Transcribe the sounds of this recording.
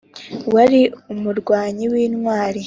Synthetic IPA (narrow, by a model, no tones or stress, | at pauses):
waɾiumuɾɡwaːɲiwiːnŋwaːɾi